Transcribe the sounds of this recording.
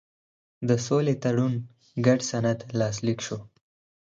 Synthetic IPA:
d̪əsolet̪aɽun | ɡaɖsanad̪lɑslikʃo

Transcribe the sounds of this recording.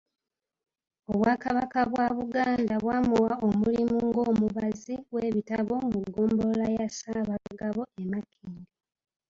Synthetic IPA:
oβwaːkaβakaβwaβuɡaːndaβwaːmuwaomulimuŋɡo̞ːmuβaziβwe̞ːβitaβo̞muɡːoːmbolajasaːβaβuɡaβo̞emakʰiːŋɡi

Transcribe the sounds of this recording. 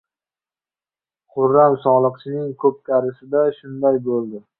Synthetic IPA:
qʰʊɾːamsɒlˠɨqt͡ʃʰɪnɪŋkʰɵp̚kʲʰaɾɪsɪd̪aʃʊnd̪ajbolˠd̪ɪ

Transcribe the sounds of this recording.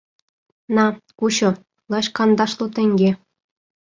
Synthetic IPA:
nɑkuɕŏ | lˠɑɕkɑnd̪ɑʃlˠot̪ɘ̆ŋʲɡʲe

